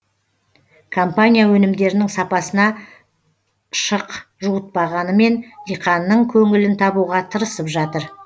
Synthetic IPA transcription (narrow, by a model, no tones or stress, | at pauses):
kʰo̞mpanʲijawɵnɪmd̪e̞ɾɪnɪŋsɑpɑsənɑ | ʃəqʒuət̪̚pɑʁɑnəme̞nd̪ijqɑnːəɴkʲʰɵŋɪlɪnt̪ʰɑbuʁɑt̪ʰəɾəsəpʒɑt̪əɾ